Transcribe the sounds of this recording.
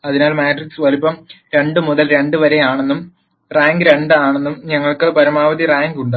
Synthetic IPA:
ɐðinaːlmaːʈriksʋɐlupːɐmɾe̞ɳɖɨmuðɐlɾe̞ɳɖɨʋɐɾe̞jaːɳenːum | raːŋɡɨɾe̞ɳɖɨaːɳenːumɲɐŋːɐɭkɨpɐɾɐmaːʋɐd̪iraːŋɡuɳɖɨ

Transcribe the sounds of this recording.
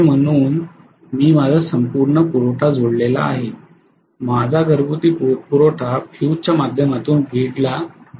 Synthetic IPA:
m̤əɽ̃uːn | miːmad͡zʱasəmpuɾɳəpuɾoʈʰad͡zoɽlela̰ːɦe | mad͡zʱaɡəɾbut̪iːpupuɾoʈʰafʰjut͡ɕjamad̪ʱjəmat̪uːnbʱiɽla

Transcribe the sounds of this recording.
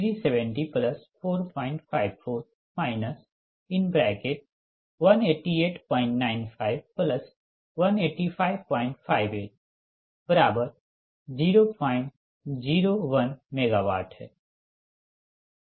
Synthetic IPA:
ɾisɛʋɛ̃ɳʈipləspʰoːɾpãːɪ̃ɳʈ̚pʰaːɪbpʰoːɾ | maːɪnəs | ɪnbɾɛːkeʈ̚ | ʋɐneːʈːieːʈpɔ̃ːɪ̃ɳʈnaːɪnpʰaːɪbpləs | ʋɐneːʈːipʰaːɪbpɔ̃ːɪ̃ɳʈpʰaːɪʋeːʈ̚ | b̥əɾaːbəɾ | d͡ʒiːɾoːpʰaːɪ̃ɳʈ | d͡ʒiːɾoːʋɐnmeːɡaːʋa̰ːʈɦɛ̰ː

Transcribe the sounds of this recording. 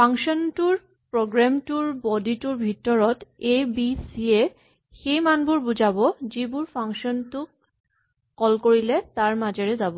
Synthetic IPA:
pʰaŋsɔntuɹ | pɹoɡɹamtuɹbɔdituɹbʱitɔɹɔtebisie | xejmanbʊɹbuzabɔzibʊɹpʰaŋsɔntʊkː | ɔlkoɹilɛtaɹmazɛɹɛzabɔ

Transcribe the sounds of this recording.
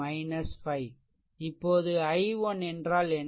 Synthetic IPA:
ɐɪnɐsfɐɪ | ɪpːoːðɯɐɪʋɔnɛndraːlɛn

